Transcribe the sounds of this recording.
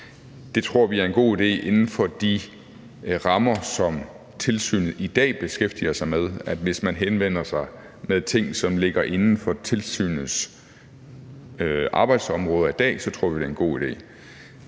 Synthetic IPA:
d̥e̝t͡sʰʁo̝ɐ̰ʋiæɐe̝nɡ̥o̝̰ːid̥e̝̰ːʔe̝nn̩fɒ̽d̥i | ʁɑ̈mɐsɒ̽m | t͡sʰe̝lsy̰ːnð̩ˠid̥ɛ̰ːb̥e̝sɡ̥efd̥iɐsɑ̈ɪmeð̞ˠæd̥ʋe̝smænɦenʋen̰ɐsɑ̈ɪ | meðˠt͡sʰe̝ŋ̰sɒ̽mle̝ɡ̥ɐʔe̝nn̩fɒ̽t͡sʰe̝lsy̰ːnð̩ˠs | øʔɑ̈ːb̥ɑ̈ɪd̥sɒ̽mʁɔ̽ːð̞ˠɐid̥ɛ̰ːsɒ̽t͡sʰʁo̝ɐ̰ʋid̥eenɡ̥o̝̰ːid̥e̝̰ː

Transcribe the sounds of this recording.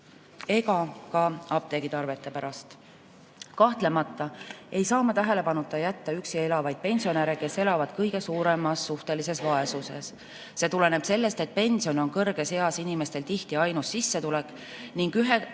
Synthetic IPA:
e̞ɡɑkɑɑb̥̚t̪e̞ɡ̥it̪ɑrve̞t̪ːˑe̞pæɾɑst̪ | kɑht̪le̞mɑt̪ːˑɑe̞jsɑːmɑt̪æɦe̞le̞pɑnut̪ːˑɑjæt̪ːɑyksie̞lɑvɑjd̪̥̚pe̞nʲsio̞neɾeke̞se̞lɑvɑd̪̥kɤjɡe̞suːɾe̞mɑsːuht̪e̞lise̞svɑe̞suse̞̰s | se̞t̪ule̞neb̥se̞lːe̞st̪e̞t̪̚pe̞nʲsio̞no̞nkɤrɡ̥e̞se̞ɑsinime̞st̪e̞lt̪iht̪iɑjnusːisːe̞t̪ule̞kːˑ | niŋɡ̥yɦe

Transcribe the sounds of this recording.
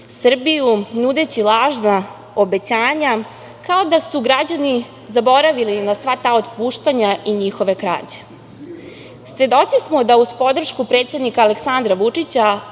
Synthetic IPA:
sr̩bijunud̪e̞t͡ɕilaːʒna | obe̞t͡ɕaːɲa | kao̞d̪asuɡɾad͡ʑani | zabo̞ɾaʋilinasʋat̪ao̞t̪puːʃt̪aɲaʔiɲixo̞ʋe̞kɾa̰ːt͡ɕe̥ | sʋe̞d̪o̞t̪sismo̞d̪auspo̞d̪r̩ʃkupɾe̞ːt̪sed̪nikaːleksand̪ɾaʋut͡ʂit͡ɕa

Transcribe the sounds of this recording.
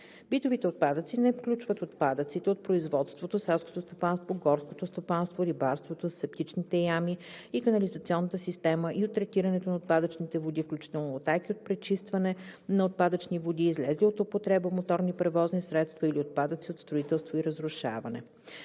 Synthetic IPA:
b̥it̪ovit̪ɛot̪̚pad̪ət̪sinɛfklʲut͡ʃvət̪ot̪pad̪ət̪sit̪ɛot̪̚pɾoizvɔt̪st̪vot̪osɛlˠsko̥t̪ost̪opanst̪voɡɔɾsko̥t̪ost̪opanst̪voɾibaɾst̪vot̪osɛp̚t̪it͡ʃnit̪ɛjamiikɐnɐlizət̪siɔnːət̪əsist̪ɛməʔiot̪ːɾɛt̪iɾənɛt̪onɐot̪̚pad̪ət͡ʃnit̪ɛvod̪ifklʲut͡ʃi̥t̪ɛlˠnoːt̪ajkiot̪̚pɾɛt͡ʃist̪vənɛnɐot̪̚pad̪ət͡ʃnivod̪iːzlɛzliot̪opot̪ɾɛbəmot̪ɔɾnipɾɛvɔznisɾɛt̪st̪vəiliot̪̚pad̪ət̪siot̪st̪ɾoit̪ɛlˠst̪voiɾəzɾʊʃa̰vɐnɛ̰

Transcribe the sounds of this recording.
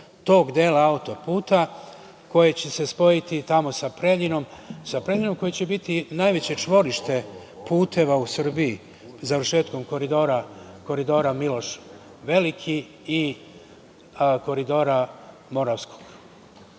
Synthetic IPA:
t̪o̞ːɡd̪eːlaaut̪o̞puːt̪a | ko̞je̞t͡ɕe̞se̞spo̞jit̪it̪amo̞sapɾeʎinomsapɾe̞ʎino̞mko̞jet͡ɕe̞bit̪inajʋe̞t͡ɕe̞t͡ʃʋo̞ɾiʃt̪e̞ | puːt̪e̞ʋausr̩bii | zaʋɾrʃe̞ːt̪ko̞mko̞ɾid̪oːɾa | ko̞ɾid̪o̞ːɾamilo̞ʃ | ʋe̞likʰi | i | ko̞ɾid̪o̞ːɾa | mo̞ɾaʋsko̞̥ɡ̥

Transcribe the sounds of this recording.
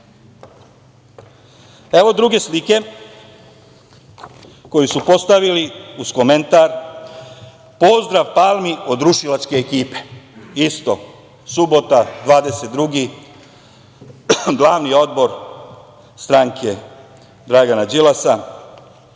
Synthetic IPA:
e̞ʋo̞d̪ɾuɡe̞slike̞ | ko̞jisupo̞st̪aʋiliuskoment̪aɾ | po̞zd̪ɾaʋpalˠmio̞d̪ɾuʃilat͡ʃke̞ːkiːpe̞̥ist̪o̞ | subo̞t̪ad̪ʋaːd̪eset̪̚d̪ɾuɡi | ɡlˠaːʋnio̞d̪bo̞ɾ | st̪ɾaŋkʰe̞ | d̪ɾaɡanad͡ʒilasa

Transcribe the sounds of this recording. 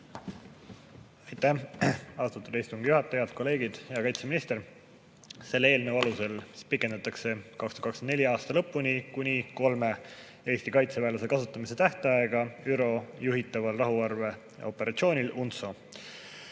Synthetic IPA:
ɑjt̪ːæhɑst̪ut̪ːud̪̥ɑist̪uŋɡ̥ijuɦɑt̪ːˑejɑd̪̥ko̞lːe̞ːɡid̪̥eɑkɑjt̪se̞minist̪e̞ɾ | se̞lːee̞ːlnəwɑluse̞lpikˑend̪ɑt̪ːˑɑkse̞kɑksu̥ːt̪kɑksenneliɑːst̪ɑlɤ̞pːˑunikunʲiko̞lme̞ | e̞ːst̪ikɑjt̪se̞væːlɑse̞kɑsut̪ˑːɑmise̞t̪æht̪ɑeɡ̥ɑyɾo̞juɦit̪ːˑɑvɑlrɑɦuɑrve̞ | o̞pːˑe̞ɾʔɑt̪sio̞ːnʲilunt̪so

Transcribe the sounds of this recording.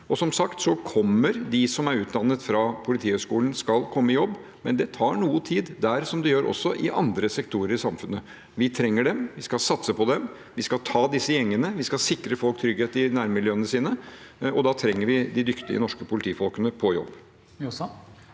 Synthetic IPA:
ɔsɔmsɑkt̪sɔkʰɔmːəɾd̪ɪsɔmæɾʉːt̪̚d̪ɑnːət̪fɾɑpʰʊlɪt̪ʰiːhœʏʂkuːlən̩skɑlkʰɔmːəɪjɔbː | mɛnd̪ɛt̪ʰɑːɳuːət̪ʰiːd̪d̪æɾsɔmd̪ɛjøːɾʔɔ̰sːɔʔɪʔɑ̰nd̪ɾəsɛkt̪ʰuːɾəɾɪsɑmfʉnːə | ʋɪt̪ʰɾɛŋːəɖɛmʋɪskɑsɑt̪səpɔd̪ɛm | ʋɪskɑlt̪ʰɑːd̪ɪsːəjɛŋːənəʋɪskɑlsɪkɾəfɔlk̚t̪ʰɾʏɡheːt̪ɪnæɾmɪljøːənəsiːnəɔd̪ɑt̪ʰɾɛŋːəɾʋɪd̪ɪd̪ʏkt̪ɪə̰nɔʂkəpʰʊlɪt̪ʰiːfɔlkənəpʰɔjɔ̰bː

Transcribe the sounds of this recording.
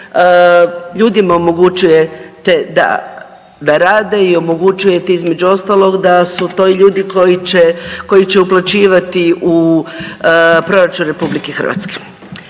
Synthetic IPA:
ʎuːd̪imao̞mo̞ɡut͡ʃuje̞t̪ed̪a̰ | d̪aɾaːd̪e̞io̞mo̞ɡut͡ʃuje̞t̪eizme̞d͡ʑuo̞st̪alˠo̞ɡd̪asut̪o̞iʎuːd̪ikojit͡ɕeko̞jit͡ɕe̞uplˠat͡ɕiːʋat̪iu | pɾo̞ɾat͡ʃunɾe̞publikexr̩ʋa̰t̪ske̥

